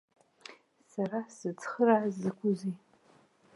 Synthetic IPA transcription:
sarasɨt͡sʰχərazɨkʷʰʊzi

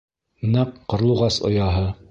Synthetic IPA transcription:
nɑqːŏɾlˠuʁɑsŏ̰jɑɦɤ

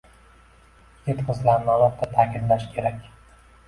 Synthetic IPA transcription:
jʲet̪qʰɨzlaɾnɒlˠap̪̚t̪ʰːat̪ʰaːkʲʰɪnlaʃkʲʰe̞ɾakʲ

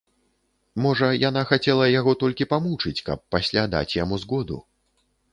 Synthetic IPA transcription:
mɔʐɐjanaxat͡sʲɛlˠɐjaɣɔt̪ɔlʲkʲipamut͡ʂɨt͡sʲkɐ̰pːasʲlʲad̪a̰t͡sʲjamuzɣɔd̪ṵ

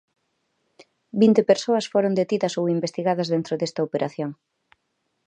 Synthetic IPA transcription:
bint̪epeɾsoɐsfoɾond̪et̪iðɐsowimbest̪iɣaðɐzðent̪ɾoðest̪ɐopeɾʔaθjoŋ

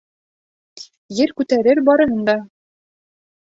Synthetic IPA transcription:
jɘɾkʉt̪æɾɘɾbɒɾɤ̆ɦɤnd̪ɑ

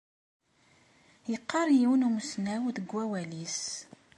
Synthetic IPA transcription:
jəqːɑɾˤjiwnumsnæwðəɡʷːæwælis

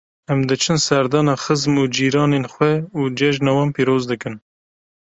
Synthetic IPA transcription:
ɛmd̪ɨt͡ʃʰɨnsɛɾd̪ɑːnɑːxəzmuːd͡ʒiːɾɑːnenxwɛuːd͡ʒɛʒnɑːwɑːnpiːɾoːzd̪ɨkɨn

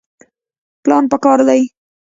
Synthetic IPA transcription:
plɑnpəkɑɾd̪aj

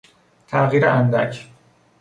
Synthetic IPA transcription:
t̪ʰæʔɣiːɾeʔænd̪æ̰cʰ

